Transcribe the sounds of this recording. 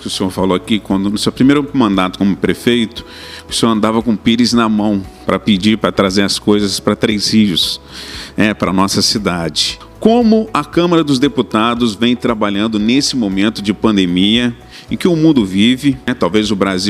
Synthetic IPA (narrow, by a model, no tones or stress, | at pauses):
kɪʊsẽoɾfalowakikwɐ̃nd̪ʊnʊsewpɾimejɾʊmɐ̃nd̪at̪ʊ̥kõmʊpɾefejt̪ʊ̥ | ʊsoɾɐ̃nd̪avɐkõpiɾɪznɐmɐ̃w̃pɾɐpid͡ʒiɾpɾɐt̪ɾazeɾɐskojzɐspɾɐt̪ɾejshiʒʊs | ɛpɾɐnɔsɐsid̪ad͡ʒɪ | kõmʊɐkɐ̃mɐɾɐd̪ʊzd̪eput̪ad̪ʊzvẽj̃t̪ɾabaʎɐ̃nd̪ʊnesɪmomẽnt̪ʊd͡ʒɪpɐ̃nd̪emiɐ | ẽkɪʊmũnd̪ʊvivɪɛt̪awvezʊbɾaziw